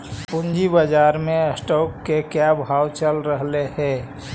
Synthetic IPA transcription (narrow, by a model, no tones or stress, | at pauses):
pund͡ʒibəd͡ʒaːɾmeəsʈoːkːekjabʱaːwt͡ʃəlɾəɦleɦɛ̃ː